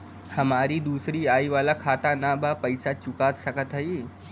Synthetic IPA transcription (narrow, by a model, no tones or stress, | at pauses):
hɐmaːɾid̪uːsɾiaːiʋaːlakʰaːt̪anabapəɪsat͡ʃʊkaːt̪sɐkət̪ɦəi